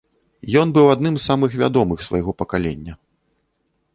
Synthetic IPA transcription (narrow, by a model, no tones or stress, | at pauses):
jɔnbɨwad̪nɨmzːamɨxvʲa̰d̪ɔmɨxsvɐ̰jɣɔpɐkalʲḛnʲːɐ